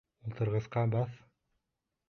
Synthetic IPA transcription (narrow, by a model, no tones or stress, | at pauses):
ulˠt̪ʰɤ̆ɾʁɤ̆sqɑbɑθ